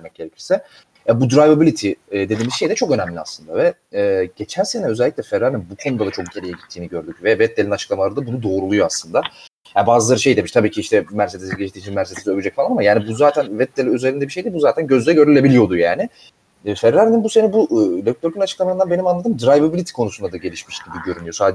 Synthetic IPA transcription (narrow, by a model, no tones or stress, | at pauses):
emɛc̚ɟ̥eɾecʰi̥lsɛ | jabud̪ɾajvabilʲit̪ʰid̪ed̪iːmizʃe̞jd̪ɛt͡ʃʰo̞kø̞næmlʲia̰slˠɯnd̪avɛɛːɟe̞t͡ʃʰænse̞nɛø̞zɛælʲːiclʲɛfɛɾːaɾininbukʰonud̪ad̪at͡ʃʰo̞k̚ɟeɾijɛɟit̪ʰːiːniɟøɾd̪ycvɛvɛt̪̚ːelʲinat͡ʃʰɯ̥klˠamalˠaɾɯabunud̪o̞ːɾulˠujoaslˠɯnd̪a | jabaːzɯlˠaɾɯʃe̞jd̪emiʃt̪ʰabiːcʰiiʃt̪ʰɛmæɾsed̪esiɟeʃt̪iːt͡ʃʰinmæɾsed̪esiøbʲyd͡ʒɛcfalˠanamajaːnibuzaːt̪ʰænvɛt̪̚d̪elʲiøze̞ɾind̪ɛbiʃe̞jd̪ibuzaːt̪ʰænɟøzlʲɛɟø̞ɾylʲe̞bilʲijo̞d̪ujaːnɪ | fɛɾːaɾininbuse̞nɛbuʔløt̪øɾkʰynat͡ʃʰɯ̥klˠamaɯnd̪anbe̞nimanlˠad̪ɯːmd̪ɾajvabilʲit̪ʰi̥kʰo̞nusund̪ad̪aɟe̞lʲiʃmiʃɟ̥ibiɟøɾynyjo̞saːd͡ʒ